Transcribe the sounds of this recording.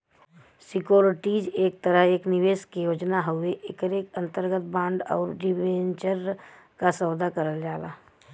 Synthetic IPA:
sɪkjoːɾʈiːd͡ʒeːk̚t̪əɾəɦeːknɪʋeːskijoːd͡ʒnaɦʊeʔekəɾeːkə̃nt̪əɾɡət̪̚bãːɳɖɔ̰ːɾɖɪbeːnt͡ʃəɾ | kasəːwd̪akəɾəld͡ʒaːla̰ː

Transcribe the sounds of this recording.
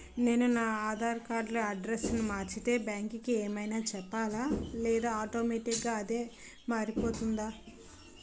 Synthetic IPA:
ne̞ːnunaːaːd̪ʱaːɾkaːɾɖloɐɖɾesnumaːɾt͡ʃit̪e̞ːbjaːŋkikieːmɐjnaːt͡ʃɛpːaːlaːlɛːd̪aːaːʈoːmeʈikɡaːɐd̪e̞ː | maːɾipo̞ːt̪und̪aː

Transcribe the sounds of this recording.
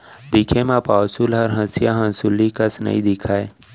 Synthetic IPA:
d̪ɪkʰemãpaːsulɦɐɾɦɐ̃sjaɦɐ̃nsulːikəsnə̰ḭ̃d̪ɪkʰaːe

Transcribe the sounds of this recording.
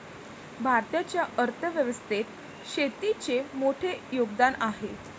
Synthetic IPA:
bʱaɾt̪jat͡ɕjaʔəɾt̪ʰəʋjəʋəst̪ʰet̪ | ɕet̪it͡ɕemoʈʰejoɡd̪anaɦe

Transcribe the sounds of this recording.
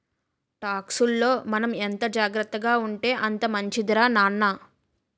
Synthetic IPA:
ʈaːksulːo̞ːmɐnɐment̪ɐd͡ʒaːɡɾɐt̪ːɐɡaːuɳʈe̞ːʔɐnt̪ɐmɐɲt͡ʃid̪ɐɾaːnaːnːaː

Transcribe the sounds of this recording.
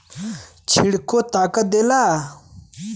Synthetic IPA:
t͡ɕʰiɽkot̪akad̪ela

